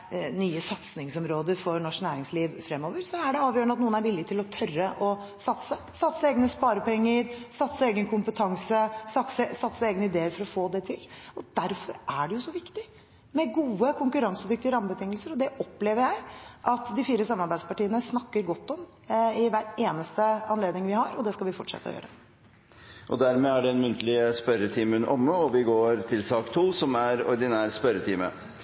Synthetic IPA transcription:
nyːəsɑt̪snɪŋsɔmɾoːd̪əɾfɔɾnɔʂknæːɾɪŋsliːʋfɾɛmːoːʋəɾsɔæɖɛɑːʋjøːɾɳɑt̪nuːənæɾʋɪlːɪɡt̪ʰɪlɔt̪ʰœrəʔɔ | sɑt̪sə | sɑt̪səeːɡnəspɑːɾəpʰɔɛŋːəɾsɑt̪səeːɡənkʰʊmpət̪ʰɑŋsəsɑsəsɑt̪səeːɡənəɪd̪eːəɾfɔɾɔfoːd̪ɛt̪ʰɪlɔd̪̥æɾfɔɾʔæɖɛjʊsɔʋɪkt̪ɪ | mɛɡuːəkʰʊŋkʉɾɑŋsəd̪ʏk̚t̪ɪəɾɑməbət̪ʰɪŋːəlsəɾɔd̪ɛʔɔpːleːʋəɾjæɪʔɑt̪d̪ɪfiːɾəsɑmːɑɾbæɪd̪spɑʈiːənəsnɑkːəɾɡɔt̪ːɔm | ɪʋæʈeːnəst̪əɑnleːd̪nɪŋʋɪhɑɾɔd̪ɛskɑlʋɪfɔʈʂɛ̰t̪ːəɔ̰jø̰ːɾə | ʔɔ̰d̪æɾmɛːæɖɛɛnmʉnt̪ʰəlɪspœɾət̪ʰiːməənʔɔmːəɔʋɪɡoːɾt̪ʰɪlsɑːkt̪ʰuːsɔmæɾɔ̰ɾd̪ɪnæːɾspœɾət̪ʰiːmə̰

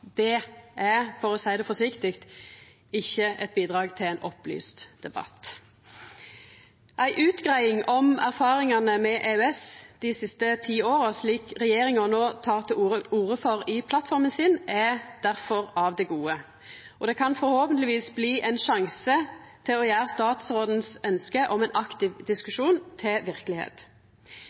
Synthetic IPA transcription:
d̪ɛæfɔʁɔsæɪd̪ɛfɔsɪkt̪ɪkt̪ | ɪçːəɛt̪̚biːd̪ʁɑːɡt̪ʰɪlæɪnʔɔply̰ːst̪d̪̥ɛbɑ̰t̪ | ʔæɪʔʉːt̪ɡʁæɪɪŋɔmæʁfɑːʁɪŋɑnəmɛʔeːʉɛsd̪̥ɪsɪst̪ət̪ʰiːoːʁəsliːkʁɛjeːɾɪŋɔnoːt̪ʰɑːʁt̪ʰɪluːəuːʁəfɔʁɪpʰlɑt̪fɔɾmənsɪnɛd̪æʁfɔʁɑʋd̪ɛɡuːə | ɔd̪ɛkʰɑnfɔɾhoːpənlɪʋiːsbliːʔɛnʃɑŋsə | t̪ʰɪlɔjæːʁəst̪ɑːt̪sʁoːd̪n̩sœnskəʔɔmæɪnʔɑkt̪ɪʋd̪ɪskʉʃuːnt̪ʰɪlʋɪʁkəlɪhḛːt̪

